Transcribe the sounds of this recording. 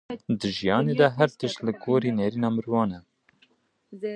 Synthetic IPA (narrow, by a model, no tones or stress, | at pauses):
d̪ɨʒijɑːneːd̪ɛɦæɾt̪əʃt̪lɨɡoːɾiːneːɾiːnɑːmɨɾwɑːnɛ